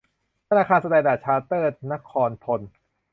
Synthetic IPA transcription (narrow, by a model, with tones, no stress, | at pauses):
a˧ɾaː˧kʰaː˧nsa˧dɛː˧˩daː˨˩t̪̚t͡ɕʰaː˧t̪ɤː˥˩t̪̚na˦˥kʰɔː˧nt̪ʰo˧n